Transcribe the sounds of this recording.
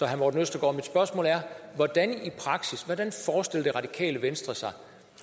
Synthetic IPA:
ɒɦænmɔːdn̩øsd̥ɐɡ̥ɒ̰ːmid̥sb̥ɶɐsmɔ̰ːlæɐʋɒd̥ænipʰʁɑ̈ɡ̥sisʋɒd̥ænfɒːsd̥elɐd̥e̝ʁɑ̈d̥ikʰɛ̰ːləʋensd̥ʁɐsɑ̈ɪ

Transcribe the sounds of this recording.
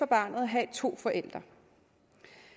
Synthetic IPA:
ɒ̽b̥ɑ̰̈ːnð̩ˠɦɛt͡sʰo̝̰ːfɒ̽ʔel̰d̥ʁɐ

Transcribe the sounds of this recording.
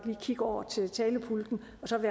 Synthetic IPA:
d̥liːkʰiɡ̥ɒʊ̰ɐt͡sʰe̝lt͡sʰɛːləpʰuld̥n̩ | ɒ̽sɒ̽ʋæ

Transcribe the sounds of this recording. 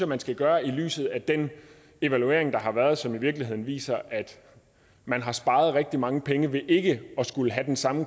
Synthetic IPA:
ɐmænsɡ̥æɡ̥ɶːɐily̰ːsð̞̩ˠæd̥en | e̝ʋælue̝ɐeŋd̥ɑ̈ɦɑ̈ʋæɐð̞̩ˠsɒ̽miʋiɐɡ̥lihe̝ð̞̰ˠn̩ʋḭːsɐʔæd̥ | mænɦɑ̈sb̥ɑ̈ːð̞̩ˠʁɛɡ̥̚d̥imɑ̈ŋəpʰeŋəʋe̝ʔe̝ɡ̥əɒ̽sɡ̥uləɦæd̥ensɑ̈mə

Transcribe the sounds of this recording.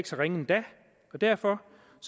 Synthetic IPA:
ɡ̥sɐʁeŋəend̥æ | ɒ̽d̥æɐ̰fɒ̽ | s

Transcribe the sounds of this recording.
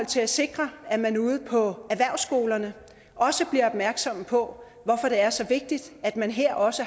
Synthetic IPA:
ɒl̰t͡sʰe̝læse̝ɡ̥ʁɐæmænuːð̞̩ˠpʰɒ̽æʋæɐ̰ʊsɡ̥o̝ːlɐnə | ɒ̽səb̥liɐɒ̽b̥mæɐɡ̥sɒ̽m̰pʰɒ̽ | ʋɒfɒ̽ɾ̥e̝æɐsɒ̽ʋe̝ɡ̥̚d̥id̥æd̥mænɦeɐ̰ʔɒ̽sə

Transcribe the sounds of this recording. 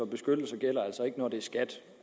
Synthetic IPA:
ɒ̽b̥e̝sɡ̥ød̥l̩sɐɡ̥el̰ɐæl̰sɒ̽e̝ɡ̥ənɒd̥e̝æɐsɡ̥æd̥

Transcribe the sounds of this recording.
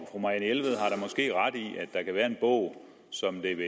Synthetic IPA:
fʁomɑ̈ænelʋəð̩ˠɦɑ̈ɾɑ̈mɒ̽sɡ̥e̝̰ːʁɑd̥iæd̥ːɑ̈kʰæʋæːɐe̝nb̥ɔʊ̰ | sɒ̽md̥e̝ʋe

